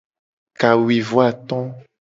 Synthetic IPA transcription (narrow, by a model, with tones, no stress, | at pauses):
ka˨wi˨vwa˨t̪ɔ̃˦